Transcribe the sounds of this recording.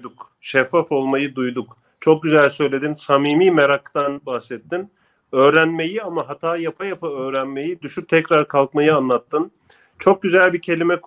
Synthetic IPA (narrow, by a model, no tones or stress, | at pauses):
d̪uk | ʃɛfːafo̞lˠmajɯd̪ujd̪uk | t͡ʃʰo̞k̚ɟyzælʲsø̞jlʲe̞d̪insamiːmiːmeɾakt̪anbahsɛt̪ʰːin | ø̞ːɾænme̞jiamaɦat̪ʰaːjapʰajapaø̞ːɾænme̞jid̪yʃyp̚t̪ʰɛcɾaɾkʰalˠkmajɯanlˠat̪ːɯn | t͡ʃʰo̞k̚ɟyzælʲbicʰe̞lʲimɛk